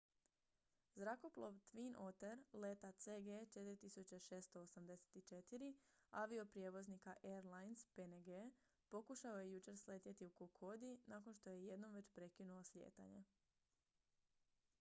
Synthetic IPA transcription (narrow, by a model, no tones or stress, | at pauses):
zɾako̞plˠoʋt̪ʋinʔot̪eɾlet̪at̪seɡet͡ʃet̪iɾʲit̪isut͡ɕeʃe̞ːst̪oosamd̪e̞se̥t̪it͡ʃe̞t̪iɾiaʋio̞pɾjeʋo̞znikaʔeɾlˠajnspeneɡe | po̞kuʃao̞jejut͡ʃe̞ɾsle̞t̪jet̪iukokʰo̞d̪inako̞nʃt̪o̞je̞je̞d̪no̞mʋe̞t͡ɕpɾe̞kinuoslʲjḛːt̪a̰ɲe